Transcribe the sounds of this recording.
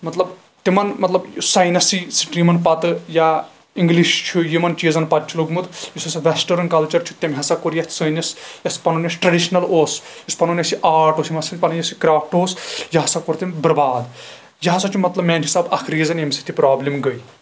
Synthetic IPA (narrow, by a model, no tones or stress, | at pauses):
mɐt̪lɐb | t̪imɐnmɐt̪lɐbjsɐjnɐsisiʈɾimɐnpɐt̪ɨja | iŋɡliʃt͡ʃʰujimɐnt͡ʃiezɐnpɐt̪̚t͡ʃʰuloɡmud̪jisɐsɐʋʲesʈɐɾɐnkɐlt͡ʃɐɾt͡ʃʰu̥t̪emɦɐsakoɾjɐt̪ʰʲsəjnɐsjɐspɐnonʲɐsʈɾɐɖiʃnɐloːsjɐspɐnunjɐsiʔaːɾʈoːsimɐsɐnʲpɐnɐjɐsikɾaːpʰʈoːsjɐɦɐsɐkoɾt̪embɐɾbaːd̪ | jɐɦɐsɐt͡ʃʰumɐt̪lɐbmɛːnt͡ʃʰisaːbɐ̰kʰɾijezɐnemsit̪ʰipɾaːblimɡəj